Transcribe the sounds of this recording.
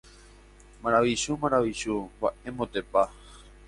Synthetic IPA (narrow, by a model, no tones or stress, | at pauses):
maɾaʋiʃumaɾaʋiʃubae̞mot̪epa